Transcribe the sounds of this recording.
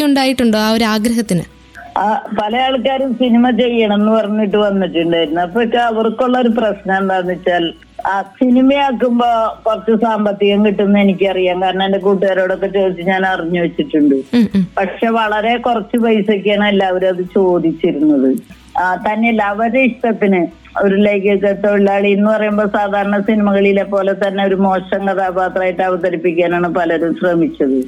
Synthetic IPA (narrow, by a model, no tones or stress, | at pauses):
uɳɖaːjiʈːuɳɖoːɐʋoɾaːɡɾɐɦɐt̪ːinɨ̰ | pɐlɐjaːɭkːaːɾumsinimɐt͡ɕe̞jːɐɳɐmenːɨpɐrɐɲːiʈːɨʋɐnːiʈːuɳɖaːjɾunːuɐpːokːeɐʋɐrkːoɭːɐoɾup̬rɐsnɐend̪anːit͡ɕːaːl | sinimɐjaːkːumboːkurɐt͡ɕːɨsaːmbɐt̪ːiɣɐŋkiʈːunːɨe̞nikʲːɨɐrijaːŋkaːɾiɳɐende̞k̬uːʈ̬ːuɐɾoːɽo̞kːe̞t͡ɕo̞ːd̪it͡ɕːɨɲaːnɐriɲːuʋɐt͡ɕːiʈːuɳɖɨpɐʈʂe̞ːʋɐɭɐɾe̞kurɐt͡ɕːɨbɐjsɐkʲːaːɳɐmilːɐɐʋɐɾɐðɨt͡ɕo̞ːd̪it͡ɕːiɾunːɐðɨ | t̪ɐnːelɐʋɐɾeiʂʈɐt̪ːinɨ | o̞ɾulejkːɐkːet̪ːɐiɭːaːɭiinːɨpɐrɐjumbo̞ːsaːd̪ʱaːɾɐɳɐsinimɐɣɐɭilepːo̞ːle̞t̪ɐnːe̞o̞ɾumo̞ːʂɐŋkɐt̪ʰaːpaːt̪raːjiʈːɐʋɐt̪ɐɾipːikʲːaːnaːɳɨpɐlɐɾumɕrɐmit͡ɕʲːɐðɨ